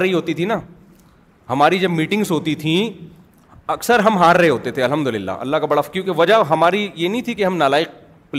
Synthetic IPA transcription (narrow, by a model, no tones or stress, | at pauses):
ɐɦiɦoːt̪it̪ʰina | hɐmaːɾid͡ʒɐbmiːʈɪ̃ŋɡzɦoːt̪it̪ʰĩ | ɐksəɾɦɐmɦaːɾːɐɦeɦoːt̪et̪ʰeɐlɦɐmd̪ʊlɪlːa̰ːʔɐ̰lːaɦkabɐɽafkjõkeʋɐd͡ʒaɦɐmaːɾijenɐɦĩt̪ʰikeɦɐmnaːlaːɪq̚ | pl